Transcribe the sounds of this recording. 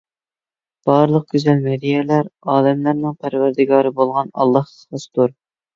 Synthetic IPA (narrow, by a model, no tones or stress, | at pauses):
b̥ɑɾlˠəq̚ɡʲyzɛlmɛɾijɛlæɾɑːlɛmlæɾnɪŋpʰæɾvæɾd̪ɪɡɑːɾɨbolˠʁɑnɑ̰lˠːɑhə̥sɑsɨ̥t̪uɾ